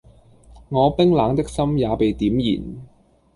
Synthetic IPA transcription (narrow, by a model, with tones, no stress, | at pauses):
ŋɔː˨˧pɪ˥ŋlaː˨˧ŋt̪ɪ˥k̚sɐ˥mjaː˨˧pe˨jt̪iː˨˥mjḭː˨˩n